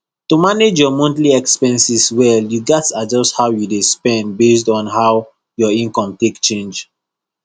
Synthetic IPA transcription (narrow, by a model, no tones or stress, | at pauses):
tumaned͡ʒjɔmɔ̃ntliɛkspɛ̃nsiswɛljuɡɛtad͡ʒɔsthawjudespɛ̃ndbes̬tɔ̃nɦaw | jɔĩnkɔ̃mtekt͡ʃẽnd͡ʒ